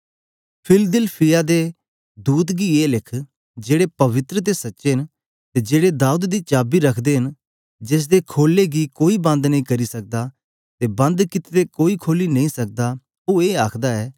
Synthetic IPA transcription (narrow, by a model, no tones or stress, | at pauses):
pʰɪld̪ɪlpʰɪjad̪eː | d̪uːd̪ɡiːeːlɪkʰ | d͡ʒeːɽepɐʋɪt̪ɾət̪̬esɐtːʃeɦn | t̪ed͡ʒeːɽed̪aːud̪d̪iːt͡ʃaːbiɾɐkʰd̪eːɦɪn | d͡ʒes̬d̪ekʰoːlːeɡiːkoːibɐ̃nd̪nə̃ĩːkɐɾisɐk̚d̪aː | t̪eːbɐ̃nd̪kɪt̪ːekoːikʰoːlinɐĩːsɐk̚d̪aː | oːeːaːkʰd̪aːɛː